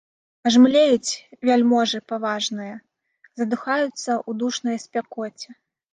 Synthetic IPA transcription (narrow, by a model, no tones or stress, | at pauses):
ʐmlʲejut͡sʲvʲalʲmɔʐɨpavaʐnɨjɐ | zɐd̪ɨxajut̪sːɐʔud̪uʂnɐjɐsʲpʲakɔt͡sʲɛ